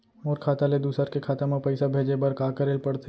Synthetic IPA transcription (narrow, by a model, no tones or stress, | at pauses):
ɔːɾkʰaːt̪aled̪uːsəɾkekʰaːt̪amãpɛɪsabʱeːd͡ʒebɐɾkaːkəɾeːlpɐɽt̪ʰe